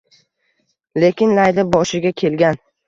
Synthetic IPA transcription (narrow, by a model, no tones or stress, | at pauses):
le̞kʲʰɪnlajd̪ɪbɒʃɪɡʲakʲʰe̞lɡʲan